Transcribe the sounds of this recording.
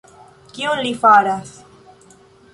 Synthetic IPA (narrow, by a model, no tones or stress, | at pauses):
kionlifaɾas